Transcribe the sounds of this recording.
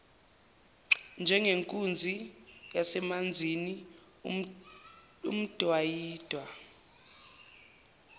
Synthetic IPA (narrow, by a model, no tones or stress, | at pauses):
nd͡ʒʱɛŋɡʱeŋkʼund͡zʱijasɛmand͡zʱini | ṵm̩d̥ʱwajiːd̥ʱwa